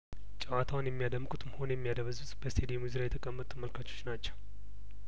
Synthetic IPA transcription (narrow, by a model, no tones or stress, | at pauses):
t͡ʃʼəwat̪ʰawʊnjɛmːijad̪əmːkʼut̪ʼməho̞njɛmːijad̪əβəzuzʼb̥əst̪ʰed̪emuzɨɾajɛt̪ʰəkʼəmːət̪ʼuməlkʰat͡ʃːo̞̥t͡ʃːnat͡ʃːəw